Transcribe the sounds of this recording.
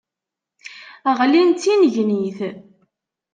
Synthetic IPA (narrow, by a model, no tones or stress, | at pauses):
əʁlint̪ːinəʝniθ